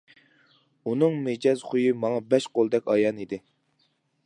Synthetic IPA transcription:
unɨŋmed͡ʒɑzχujimɑŋɑbɛʃqolˠd̪ɛkʲɑjɑnid̪ɪ

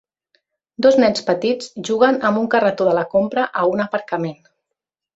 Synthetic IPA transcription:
d̪oznɛnspət̪id͡zʒuɣ̞ənəmbuŋkərət̪oðələkompɾəʔəunəpəɾkəmen

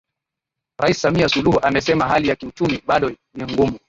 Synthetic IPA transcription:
ɾaisi̥samiasuluhuʔamɛsɛmaɦalijakiut͡ʃumiɓaɗɔ | niŋɡumu

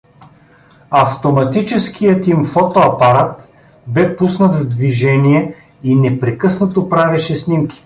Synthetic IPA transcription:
ɐft̪omɐt̪it͡ʃɛsk̟ʰijət̪imfɔt̪oɐpɐɾat̪ | bɛpusnət̪vd̪viʒɛnʲijɛ | inɛpɾɛkɤsnət̪opɾavɛʃɛsnimkʲi̥

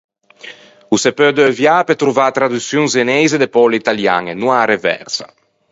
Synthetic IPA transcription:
usepød̪øvjapet̪ɾuvaːt̪ɾad̪usjuŋzenɛjzed̪epɔleit̪alja̰ŋenuaɾevɛ̰ɾsa̰

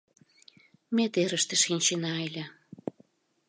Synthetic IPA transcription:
met̪eɾə̆ʃt̪eʃinʲt͡ɕenɑelʲe

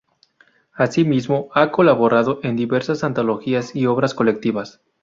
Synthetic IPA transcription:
asimizmo̞ako̞laβo̞ɾaðoʔe̞nd̪iβe̞ɾsasant̪olo̞xiasio̞βɾasko̞le̞k̚t̪iβas

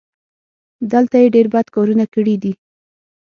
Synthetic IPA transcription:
d̪əlt̪ajeɖeɾbad̪kɑɾunakəɽid̪i

